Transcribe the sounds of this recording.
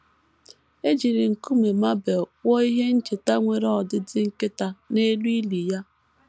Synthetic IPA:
e˦d͡ʒi˨ɾɪ˨ŋ̩˨ku˦me˨ma˦be˨wɔ˦i˦ɦe˦n̩˦t͡ʃe˨ta˦ŋʷe˨ɾɔ˨dɪ˦dɪ˦ŋ̩˦kɪ˦ta˨ne˦lu˦i˦li˨ja˦

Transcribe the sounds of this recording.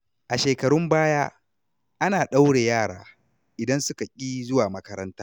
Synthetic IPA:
ʔa˨ʃeː˨kɐ˨ɽʊ˦mbaː˦jaː˦ | ʔa˦naː˨ɗa˦wɽeː˨jaː˦˨ɽaː˨ | ʔɪ˨dɐ˦nsʊ˦ka˨kʲʼiː˦zʊ˦waː˨mɐ˦kɐ˦ɾɐ˦ntaː˦

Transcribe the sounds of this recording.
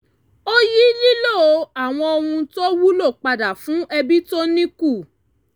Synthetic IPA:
o˦ji˦li˦lo˦˨o˨˧a˦˨w̃ɔ̃˧o˧hũ˧to˦wu˦lo˦˨k͡pa˧da˨fũ˨˦ʔɛ˧bi˦to˦nĩ˦ku˦˨

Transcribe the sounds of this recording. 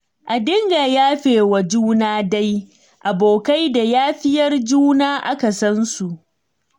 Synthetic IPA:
ʔa˨dɪ˦ŋɡaː˨jaː˦ɸeː˨wa˨d͡ʒuː˦naː˦da˦j | ʔa˨boː˨ka˦jda˨jaː˦ɸɪ˦jɐ˦rd͡ʒuː˦naː˦ʔa˦ka˨sɐ˦nsu˨ʔ

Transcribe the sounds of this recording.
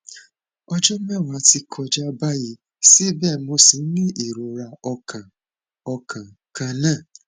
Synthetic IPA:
ɔ˦d͡ʒɔ˦mɛ˦˨wa˨˦ti˧kʰɔ˧d͡ʒa˦ba˦ji˧ | si˦bɛ˦˨mo˧si˨˦n̩˦nĩ˦ʔi˨ɾo˨ɾa˧ɔ˧ka˨ | ɔ˧kʰã˨ | ka˧nã˦˨

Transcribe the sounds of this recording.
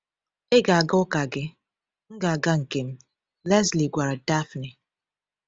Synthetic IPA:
e˦ɡa˨a˨ɡa˦ʊ˦ka˨ɡɪ˦ | ŋ̩˦ɡa˨a˨ɡa˦ŋ̩˨ke˨m̩˦ | lɛ˦sli˨ɡʷa˨ɾa˨da˦fni˨

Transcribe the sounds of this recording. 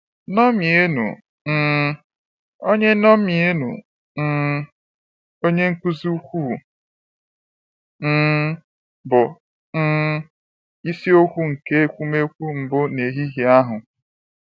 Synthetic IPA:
nɔ˦mi˨e˦nṵ˨ | n̩ː˦˨˦ | o˦ɲe˦nɔ˦mi˨e˦nṵ˨ | n̩ː˦˨ | o˦ɲe˦ŋ̩˦kʷu˦zu˦u˦kʷu˦˨ | n̩˦ | bʊ˨ | n̩˦ | i˦si˦o˦kʷu˦ŋ̩˨ke˦e˦kʷu˦me˦kʷu˦m̩˨bʊ˦ne˨ɦi˦ɦi˦a˦ɦʊ˨

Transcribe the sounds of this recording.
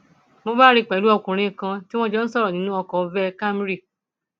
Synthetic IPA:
mo˧ba˦˨ɾi˧˨k͡pɛ˨˦lu˦ɔ˧kũ˨ɾ̃ĩ˧˦˨kã˧ti˦w̃ɔ̃˦d͡ʒɛ˦n̩˦sɔ˦ɾɔ˨nĩ˦nũ˦ɔ˧kɔ˨˧vɛ˦ka˦mɾi˦˨

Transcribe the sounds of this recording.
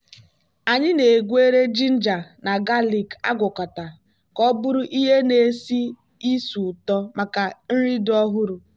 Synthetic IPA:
a˨ɲɪ˦ne˨ɡʷe˦ɾe˦d͡ʒi˦n̩˦d͡ʒa˨na˨ɡa˦li˨ka̰˦ɡʷʊ˨kɔ˨ta˨ | kɔ˦bʊ˦ɾʊ˦ʔi˦ɦe˦ne˨si˦ | i˦su˨tɔ˦ma˨ka˨n̩˦ɾi˦dɔ˦ɦʊ˦ɾʊ˨

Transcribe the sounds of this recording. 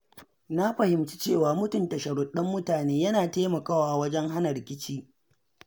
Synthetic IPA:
na˦ɸɐ˨hɪ˨mt͡ʃi̥˦t͡ʃeː˦˨waː˨mʊ˦tʊ˨ntɐ˨ʃɐ˨ɽʊ˦ɗɐ˦mːʊ˦taː˨neː˦jɐ˦naː˨teː˦mɐ˨kaː˦waː˨ʔa˨wɐ˦d͡ʒɛ˦ŋɦa˦nɐ˨ɾɪ˨kʲɪ˦t͡ʃiː˦

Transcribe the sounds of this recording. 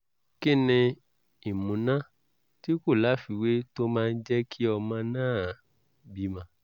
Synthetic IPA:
ki˦˨nĩ˧ | i˨mũ˨˦nã˦ | ti˦ko˦˨la˨˦fi˧we˦to˦mãː˦˧n̩˦d͡ʒɛ˦kʰi˦ɔ˧mã˧nãː˦˨ | bi˦mã˧˦

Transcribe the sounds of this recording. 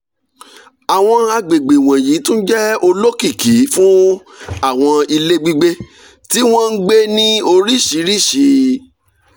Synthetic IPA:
a˨w̃ɔ̃˧a˧ɡ͡be˨ɡ͡be˨w̃ɔ̃˨ji˨˦tũ˦n̩˦d͡ʒɛ˦o˧lo˦ki˦˨ki˨˦fũ˦ | a˦˨w̃ɔ̃˧i˧le˦ɡ͡bi˧ɡ͡be˦ | ti˦w̃ɔ̃˦n̩˦ɡ͡be˦nĩ˦o˧ɾi˦ʃi˨˦ɾi˦˨ʃi˨˧˦

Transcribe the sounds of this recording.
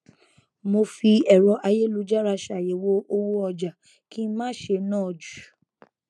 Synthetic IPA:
mo˧fi˧ɛ˨ɾɔ˨˧˦ʔa˧je˦lu˧˦d͡ʒa˦ɾa˧ʃa˨je˨˦wo˦ʔo˧wo˦ɔ˧d͡ʒa˨ | ki˦mãː˦ʃe˧nãː˦ɔ˨d͡ʒu̥˨

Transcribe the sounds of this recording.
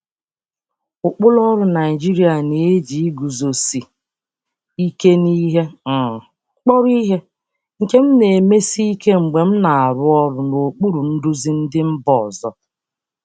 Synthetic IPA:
ʊ˨k͡pʊ˦lɔ˦ɾʊ˨na˨i˨d͡ʒi˦ɾi˦a˨ne˨e˦d͡ʒi˨i˦ɡu˨zo˨si˨ | i˦ke˦ni˦ɦe˦˨ | k͡pɔ˦ɾi˦ɦe˦ | ŋ̩˨ke˦m̩˦ne˨me˦si˦i˦ke˦ŋ͡m̩˨ɡ͡be˨m̩˦na˨a˨ɾʊ˦ɔ˦ɾʊ˨no˨k͡pu˦ɾu˨n̩˦dʊ˦zi˦n̩˦dɪ˦m̩˦bɔ˨zɔ̰˦

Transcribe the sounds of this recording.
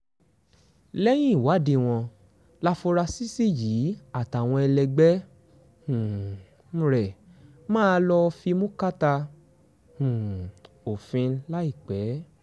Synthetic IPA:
lɛ˦j̃ĩ˦i˨wa˨˦di˧w̃ɔ̃˧ | la˧fo˧ɾa˧si˦si˦jiː˨˦a˦˨ta˨w̃ɔ̃˧ɛ˧lɛ˧ɡ͡bɛ˦ | ũ˨˦ | ɾɛ˨ | mãː˦˧˦lɔ˧fi˧mũ˦ka˦ta˧ | hũ˨ | o˨fĩ˧la˦i˦˨k͡pɛ˨˦

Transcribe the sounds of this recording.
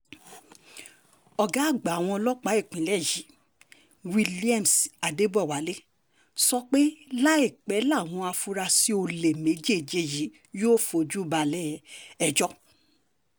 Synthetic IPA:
ɔ˨ɡa˨˦˨ɡ͡ba˨w̃ɔ̃˧ɔ˧lɔ˦k͡pa˨˦e˦˨k͡pĩ˨˦lɛ˦˨ji˨˦ | wi˦˧li˦a˦˨m˨sa˨de˦bɔ˦˨wa˨le˦ | sɔ˦k͡pe˦la˦e˦˨k͡pɛ˨˦la˦˨w̃ɔ̃˧a˧fu˦ɾa˧si˦o˧le˨me˨˦d͡ʒe˦˨d͡ʒe˦˨ji˨˦ | joː˦fo˧d͡ʒu˦ba˧lɛ˦ɛ˧d͡ʒɔ˦

